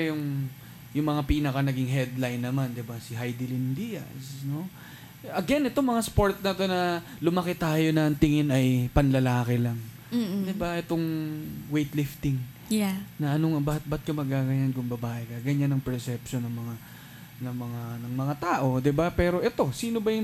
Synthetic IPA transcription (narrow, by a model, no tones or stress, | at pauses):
jʊŋ | jʊŋmɐŋapiːnɐkɐnɐɡɪŋɦɛd̪lajnːɐmand̪ɪbasɪɦajd̪ɪlɪnd̪iːjɐ̰sno̞ | ɐɡɛnʔɛt̪o̞ŋmɐŋaspo̞ɹt̪̚nɐt̪o̞nɐ | lʊmɐkɛt̪aːjo̞nɐɐŋt̪ɪŋɪnɐjpɐnlɐlaːkɪlɐŋ | d̪ɪbaʔɛt̪oŋwejt̪lɪft̪ɪŋ | nɐʔɐnoɐbaːhɐt̪̚bɐt̪̚kɐmɐɡ̚aːɡɐɲankʊŋbɐbaːʔɛkɐɡɐɲanːɐŋpɛɹsɛpʃonːɐŋmɐŋa | nɐŋmɐŋanɐŋmɐŋat̪aːʔo̞d̪ɪbapɛːɾo̞ʔɛt̪o̞siːnobɐjʊ